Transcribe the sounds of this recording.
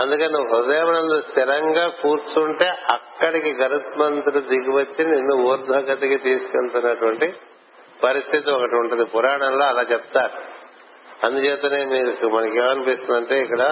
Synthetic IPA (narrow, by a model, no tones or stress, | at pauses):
ɐnd̪ukɐnnuɦud̪eːmɐnɐnlust̪iɾɐŋɡaːkuːɾt̪uːɳʈe̞ːʔɐkːɐɽikiɡɐɾut̪mɐnt̪ulud̪iɡiʋɐt͡ʃːiinːuuːɾd̪ʱɐɡɐt̪ɐkit̪iːsu̥kelt̪unːɐʈuʋɐɳʈi | pɐɾist̪ʰit̪iɔkɐʈiuɳʈund̪ipuɾaːɳɐnlo̞ːɐlaːt͡ʃɛp̚t̪aːɾu | ɐnd̪ut͡ʃɛːt̪eːneːniːɾkmɐnɐkiaːnupiːst̪und̪ɐɳʈe̞ːikːɐɽɐ